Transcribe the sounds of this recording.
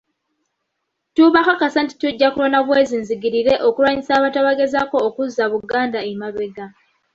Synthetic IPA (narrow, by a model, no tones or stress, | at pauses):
tuβaxakasanti̥tuɟːakuɾonaβwezinziɡiɾiɾe̞ʔokuɾwaɲisaːβataβaɡe̞zako̞ːkuzːaβuɡaːndaemaβe̞ɡa